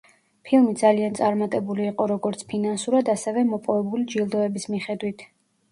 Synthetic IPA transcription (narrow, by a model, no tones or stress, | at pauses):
pʰilˠmid̪zaliant̪sʼaɾmat̪ʼɛbuliːqʼɔɾɔɡɔɾt̪sʰpʰinansuɾad̪asɛvɛmɔpʼɔvɛbulid͡ʒilˠd̪ɔɛbismiχɛd̪wit̪ʰ